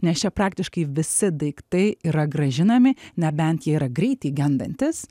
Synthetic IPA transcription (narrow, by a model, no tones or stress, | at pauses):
nʲɛst͡ʃʲɛpɾɑːk̚t̪ʲɪʃkɐɪʋʲɪsʲɪd̪ɐɪkt̪ɐɪiːɾɐɡɾɐʒʲɪnɐmʲɪnʲɛbʲɛnt̪jiɛiːɾɐɡɾʲɛɪt̪ʲɛɪɡʲɛnd̪ɐnʲt̪ʲɪs